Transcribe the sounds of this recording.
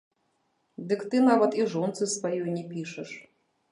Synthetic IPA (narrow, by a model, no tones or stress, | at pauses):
d̪ɨkt̪ɨnavɐt̪iʐɔnt̪sɨsvajɔjnʲɛpʲiʂɛʂ